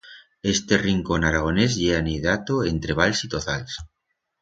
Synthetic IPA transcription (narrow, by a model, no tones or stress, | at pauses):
est̪eriŋkonaɾaɣ̞onezʎeaneðat̪oent̪ɾeβalsit̪ot̪als